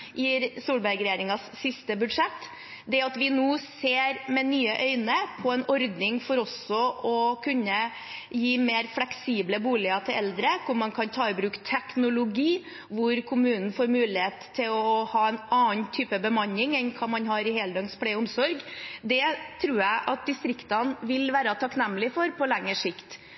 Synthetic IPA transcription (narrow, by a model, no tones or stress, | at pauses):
jiɾsuːlbæɾɡɾɛjeːɾɪŋɑsːɪst̪əbʉd̪ʂɛt̪ː | d̪ɛɑt̪ʋɪnuːseːɾmɛnyːəʔœʏnəpʰɔɛnɔɾd̪nɪŋfɔɾɔsɔʔɔkʰʉnːə | jiːmeːɾflɛksiːbləbuːlɪɑt̪ʰɪlɛld̪ɾəkʰʊɾmɑnkʰɑnt̪ʰɑːɪbɾʉːkt̪ʰɛknʊlʊɡiː | ʋʊɾkʰʊmʉːnn̩foːɾmʉːlɪheːt̪ʰːɪlɔhɑːɛnɑːənt̪ʰyːpəbəmɑnːɪŋɛnkʰɑːmɑnɦɑɾɪhɛːld̪œŋspʰɽɛʊmsɔɾɡd̪ɛt̪ʰɾuːjæɪʔɑt̪̚d̪ɪst̪ɾɪkt̪ɑnʋɪlʋæːɾət̪ʰɑknɛmːlɪfɔɾpʰɔlɛŋːəʂɪkt̪